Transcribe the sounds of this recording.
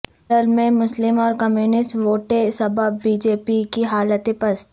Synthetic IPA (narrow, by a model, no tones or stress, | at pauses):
əlmẽmʊslɪmɔːɾkəmjuːnɪsʈʋoːʈesɐbəbːiːd͡ʒeːpikiɦaːlət̪ẽpɐs